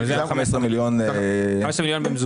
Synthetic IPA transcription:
amesʁemiljonamɛsʁemiljonbimzu

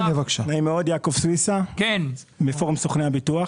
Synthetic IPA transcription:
mevakʃanaimeod̪jakovsʁisaken | mefoʁmsoχneabit̪uaχ

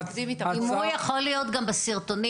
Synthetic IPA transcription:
imit̪imujaχolijot̪ɡambesiʁt̪oni

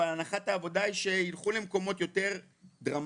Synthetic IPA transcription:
alanaχataːvo̞daiʃe̞ilχule̞mko̞mo̞t̪jo̞te̞ʁ | dʁam

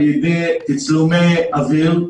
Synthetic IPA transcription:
ibit̪it͡slumeavil

